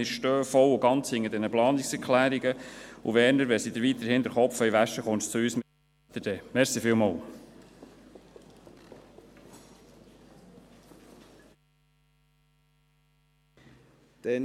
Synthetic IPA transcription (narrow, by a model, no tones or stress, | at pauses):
ɪɾʃtøːfɔlʊɡɑnt͡shɪŋːəd̪ɛnəplɑːnɪksɛɾkʰlæːɾiɡəʊvɛːɾnəɾʋɛsid̪əɾʋit̪əɾhɪnd̪əɾχɔpfœiʋæʃəχɔntt͡sʊyːsmɪ | t̪ədɛmɛsifɪːlmɑl | d̥ɛ